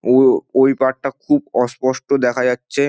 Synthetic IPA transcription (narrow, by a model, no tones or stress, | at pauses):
oojpaʈ̚ʈakʰubɔspɔʃʈod̪ɛkʰad͡ʑatːɕʰe